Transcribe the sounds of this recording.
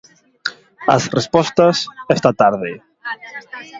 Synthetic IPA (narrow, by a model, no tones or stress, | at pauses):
ɐ̰srespɔst̪ɐsɛst̪at̪aɾðɪ